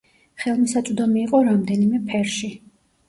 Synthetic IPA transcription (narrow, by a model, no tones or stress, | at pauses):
χɛlˠmisat̪sʼud̪ɔmiːqʼɔɾamd̪ɛnimɛpʰɛɾʃi